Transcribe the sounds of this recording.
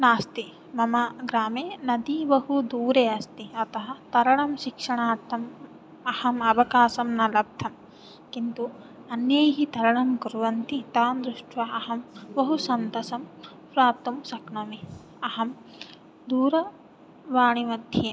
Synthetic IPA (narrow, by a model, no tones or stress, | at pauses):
naːst̪i | mɐmɐɡɾaːmeːnɐd̪iʋɐɦud̪uːɾeːɐst̪iɐt̪ɐɦɐ̆t̪ɐɾɐɳɐmʃikʂɐɳaːɾt̪ʰːɐm | ɐhɐmɐʋɐkaːsɐmnɐlɐp̚t̪ʰɐm | kint̪u | ɐnjɐjɦit̪ɐɾɐɳɐmkuɾʋɐnt̪it̪aːnd̪ɾuʂʈʋɐɐɦɐmʋɐɦusɐnt̪ɐsɐm | pɾaːp̚t̪umsɐkɳɐmi | ɐɦɐm | d̪uːɾɐ | ʋaːɳimɐd̪ʱjeː